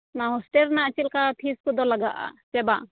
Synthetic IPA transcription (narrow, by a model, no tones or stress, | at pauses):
naɦɔsʈɛɾnaʔt͡ʃilkat̪ʰiskɔd̪ɔlaɡa̰ʔa̰t͡ʃɛba